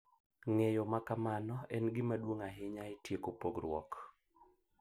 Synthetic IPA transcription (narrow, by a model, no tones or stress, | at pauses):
ŋejomakamanɔɛnɡɪmadwoŋaɦɪɲaɪtjekopoɡɾwɔ̰k